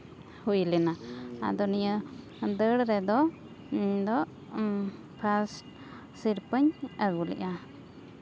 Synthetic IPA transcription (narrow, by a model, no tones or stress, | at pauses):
hujlinaa̰d̪ɔnijə | d̪əɽɾɛd̪ɔ | iɲd̪ɔʔ | pʰasʈ | siɾpəɲəɡulḭʔa